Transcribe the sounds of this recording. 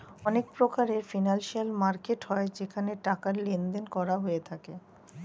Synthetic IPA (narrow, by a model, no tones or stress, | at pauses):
ɔnek̚pɾokaɾeɾfinanʃialmaɾkeʈhɔed͡ʑekʰaneʈakaɾlend̪enkɔɾaɦoet̪ʰake